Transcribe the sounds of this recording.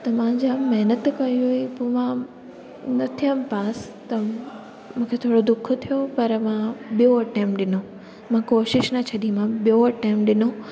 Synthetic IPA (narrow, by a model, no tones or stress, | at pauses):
t̪ɐmãd͡ʑaːmɛɦnət̪kɐiɦuipoːmã | nɐt̪ʰijəmpaːs | t̪ɐ | mũːkʰet̪ʰoːɽod̪ʊk̆ʰt̪ʰijopɐɾmãɓijoɐʈẽːmpɗɪno | mãkoːʃɪʃnɐt͡ɕʰɐd̪imãɓijoɐʈẽːmpɗɪno